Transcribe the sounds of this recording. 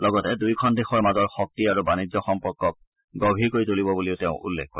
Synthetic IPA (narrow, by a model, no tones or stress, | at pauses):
lɔɡɔtɛdujkʰɔndexɔɹmazɔɹxɔk̚tiaɹubanizɔxɔmpɔɹkːɔk̚ | ɡɔbʱiɹkoɹitolibɔbuliʊteʊ̃ʔṵlːɛ̰k̚ʰːo